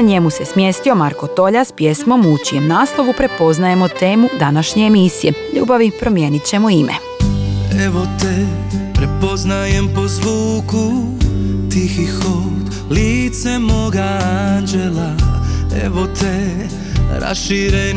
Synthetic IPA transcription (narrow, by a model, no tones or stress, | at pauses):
ɲemuse̞smje̞st̪io̞maɾko̞t̪o̞ʎaspje̞smo̞mut͡ɕije̞mnaːslˠo̞ʋupɾepo̞znaje̞mot̪e̞ːmud̪anaʃɲeːmisijeʎṵːbaʋipɾo̞mje̞ːnit͡ɕe̞moimʔḛ | ɛʋot̪ɛpɾepo̞znajempo̞zʋuːku | t̪ixixo | d̪ | lit̪sɛmoɡaand͡ʒelaɛ̰ʋot̪ʰɛ | ɾa̰sʃiɾe